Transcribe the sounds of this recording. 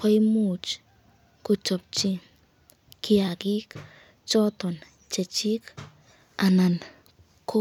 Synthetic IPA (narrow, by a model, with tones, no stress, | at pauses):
kɔ˦jmu˨t͡ʃ | ku˨t͡ʃɔ˨p̚t͡ʃi˦ | ki˨a˨ki˦k | t͡ʃɔ˦t̪ɔ˨n | t͡ʃe˨t͡ʃi˦k | a˨na˨n | kʰo˦